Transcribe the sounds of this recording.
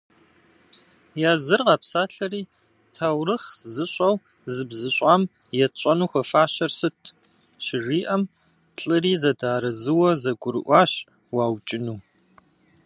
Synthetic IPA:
jaːzɨrʁɑːpsaːɬɐɾiː | tʰawrɨχzɨɕʷʼɐw | zɨbzɨɕʷʼaːm | jɛt͡ʃʷʼɐnuːxʷɐfaːɕɐrsɨtʰ | ɕɪʐiːʔɐm | ɬʼɨɾiːzɐdaːɾɐzɨwɐzɐɡʷʊɾɨʔʷɑːɕ | waːwt͡ʃʼɪnuː

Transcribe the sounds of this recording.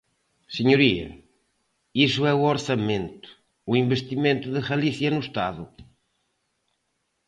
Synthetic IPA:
sɨɲuɾiɐ̰ | isuɛuoɾsɐmẽnt̪ʊ̥ː | ĩmbeʃt̪imẽnt̪ʊðɨɣɐliθiɐnʊʃt̪aðʊ

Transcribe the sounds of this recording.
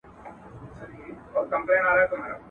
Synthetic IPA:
oːɾkɐ̃mpleːnaːɾaɦɛt̪ʊmɦaːɾa̰

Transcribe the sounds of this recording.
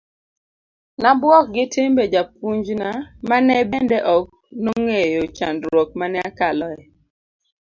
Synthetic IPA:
nabwɔk̚ɡɪtʰɪmbed͡ʒap̚uɲd͡ʒnamanɛbɛndɛʔɔk̚ | noŋejot͡ʃa̰ndɾwɔk̚manɛakalɔɛ

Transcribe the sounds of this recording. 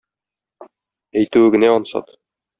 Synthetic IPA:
æjt̪ʉwɘɡɘ̆næɒnsɑ̰t̪

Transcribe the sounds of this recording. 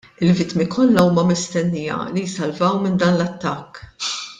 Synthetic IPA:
ɪlvɪt̪mikʰɔlːɐuːmɐmɪst̪ɛnːijɐ̰lijsɐlvɐwmɪnd̪ɐːnlɐt̪ːɐkː

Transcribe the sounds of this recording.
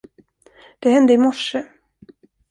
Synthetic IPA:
d̪̥ɛɦɛnd̪əɪmɔʂːə

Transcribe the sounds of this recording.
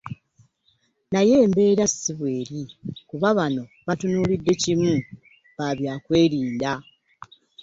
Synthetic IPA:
naje̞ːmbe̞ːɾasiβwe̞ːɾikuβaβano̞ | βatunuːlidːe̞cimu | βaβjaːkwe̞ːɾiːnda

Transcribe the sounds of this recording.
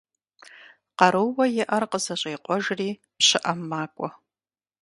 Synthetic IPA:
qɐɾɨwwɐjɪʔɐrqəzɐɕʼeːqʷʼɔʒriː | pɕɪʔɐmːaːkʷʼɔ

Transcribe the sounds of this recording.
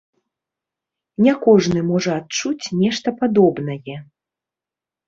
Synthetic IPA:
nʲɛkɔʐnɨmɔʐɐat̚t͡ʂut͡sʲnʲɛʂt̪ɐpad̪ɔbnɐjɛ

